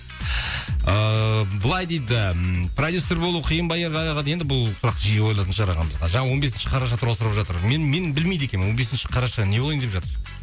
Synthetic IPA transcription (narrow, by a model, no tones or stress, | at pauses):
əbəlˠɑjd̪e̞jd̪ɪpʰrod̪ʲjuseɾbolˠuqʰijənbɑjɑɾʁɑɑʁɑd̪jend̪ɪbʊlˠsʊɾɑqʒijewo̞jlˠɑt̪ənʃəɑɾɑʁɑ̰nməzʁɑʒɑɴɑwo̞nbe̞sɪnʃɪ̥qʰɑɾɑʃ̬ɑt̪ʰʊɾwosəɾəpʒɑt̪əɾmenmenbɪlmejd̪ekʲenwo̞nbesɪnʃɪ̥qʰɑɾɑʃɑne̞b̪ˠjnd̪e̞pʒɑt̪əɾ